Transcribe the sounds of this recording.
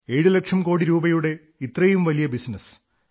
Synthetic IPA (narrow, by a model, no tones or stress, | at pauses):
e̞ːɻulɐkʂɐmko̞ːɽiɾuːbɐjuɽe̞ | it̪rɐjumʋɐlijɐbisnɐs